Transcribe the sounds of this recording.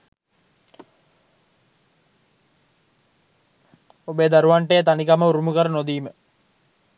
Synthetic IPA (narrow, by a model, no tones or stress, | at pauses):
obed̪aɾuʋaɳʈejt̪anikaməuɾumukəɾənod̪iːmə